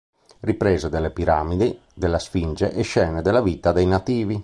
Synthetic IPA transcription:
ripɾɛːzod̪elːepiɾaːmid̪i | d̪elːasfind͡ʒeʔɛʃːɛːned̪elavit̪ad̪ɛjnat̪iːvi

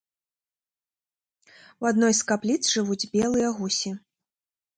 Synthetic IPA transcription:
wad̪nɔjskaplʲit̪sʐɨvud͡zʲbʲɛlˠɨjɐɣusʲi

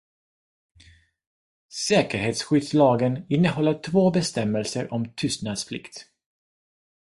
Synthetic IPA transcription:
sɛːkəɾheːt̪sɧʏd̪slɑːɡənɪnːəhɔlːəʈʰvoːbɛst̪ɛmːɛlsəɾʔɔmt̪ʰʏːsnad̪sflɪ̰kt̪

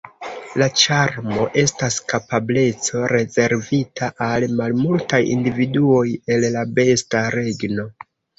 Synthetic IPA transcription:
lat͡ʃaɾmo̞ʔe̞staskapable̞t͡so̞ɾe̞ze̞ɾvitaʔalmalmultajḭndividuo̞je̞llabe̞staɾe̞ɡno̞

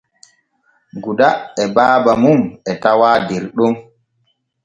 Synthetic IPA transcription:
ɡudaɛbaːbamumɛtawaːdɛɾɗɔm

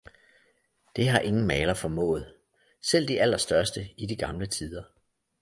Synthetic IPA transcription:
d̥e̝ɦɑ̈ʔe̝ŋn̩mɛːlɐfɒ̽mɔ̰̽ːð̞̩ˠ | sel̰d̥iʔæl̰ɐsd̥ɶɐsd̥əid̥iɡ̥ɑ̈mlət͡sʰið̞ˠɐ

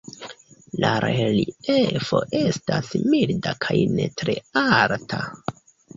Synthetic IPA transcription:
laɾeliefo̞ʔe̞stasmildakʰajne̞tɾe̞altʰa

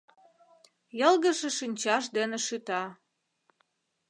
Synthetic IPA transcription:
jɤlɣə̆ʃĕʃinʲt͡ɕɑʃd̪enĕʃyt̪ɑ

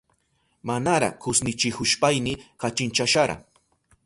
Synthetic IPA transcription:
manaɾa̰kʊsnɪt͡ʃɪhʊʃpajnɪkat͡ʃɪnt͡ʃaʃaɾa̰

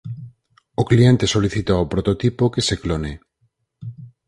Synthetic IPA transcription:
oklient̪e̞so̞liθit̪aopɾot̪ot̪ipokeseklone

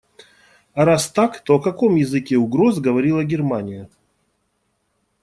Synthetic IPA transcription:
ɐɾast̪akt̪oɐkɐko̞mjɪzɨkʲeʊɡɾo̞zɡəvɐɾʲilˠəɡʲɪrmanʲɪjə

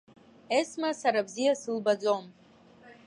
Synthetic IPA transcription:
esmasaɾabzijasɨlbad͡zo̞m

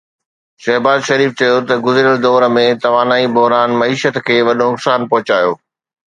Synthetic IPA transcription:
ʃɐɦbaːzʃɐɾiːft͡ɕɐjot̪ɐɡʊzɾijəld̪ɔːɾmẽt̪ɐʋaːnaːibʊɦɾaːnmɐiːʃət̪kʰeːʋɐɗonʊksaːnpɐɦʊt͡ɕaːjoː

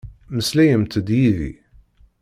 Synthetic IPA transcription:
məslæjəmt̪əd̪jiðḭ

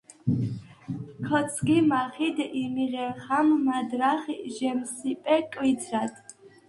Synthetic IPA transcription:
kʰɔt̪sʰɡimaχid̪imiʁɛχamːad̪ɾaχʒɛmsipʼɛkʼwizʰɾad̪

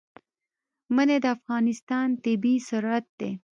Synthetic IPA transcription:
məned̪əafɣɑnɪst̪ɑnt̪ɪbisʊɾat̪̚d̪e

